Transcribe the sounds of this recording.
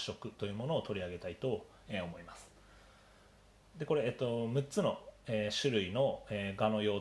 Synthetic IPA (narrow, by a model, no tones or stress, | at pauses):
ɕo̞kɯ̟t̪o̞jɯ̟ːmo̞no̞ːt̪o̞ɾʲiaɡe̞t̪ait̪o̞ | eo̞mo̞imasɨ̥ | d̪e̞ko̞ɾe̞et̪ːo̞mɯ̟t͡sɨno̞eːɕɨɾɯ̟ino̞eːɡano̞jo̞ː